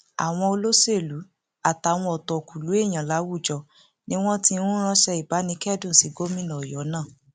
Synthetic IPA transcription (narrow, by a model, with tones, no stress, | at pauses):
a̰˨w̃ɔ̃˧o˧lo˦se˦˨lu˨˦ | a˨ta˨˦˨w̃ɔ̃˧ɔ˨tɔ˨ku˨lu˨˦e˦˨j̃ã˨la˨˦wu˦˨d͡ʒɔ˧˨ | nĩ˦w̃ɔ̃˦ti˧˦ũ˦ɾ̃ã˦ʃɛ˧i˨ba˨˦nĩ˧˦kɛ˦˨dũ˦˨si˨˦ɡo˦mĩ˦˨nã˨ɔ˨jɔ˨˦nã˦˨